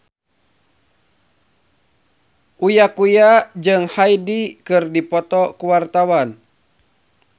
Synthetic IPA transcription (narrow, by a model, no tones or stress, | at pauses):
ʔujakujad͡ʒɨŋhajdikɨrdipɔt̪ɔkuwart̪awan